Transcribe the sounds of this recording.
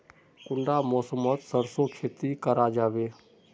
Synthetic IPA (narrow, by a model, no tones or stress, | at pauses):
kʊɳɖamɔːsəmət̪səɾsokʰeːt̪ikəɾad͡ʒaːʋeː